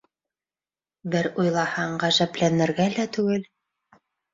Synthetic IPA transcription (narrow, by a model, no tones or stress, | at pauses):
bɘɾujlˠɑhɑɴɢæʒæplænɘ̆ɾɡælæt̪ʉɡɘl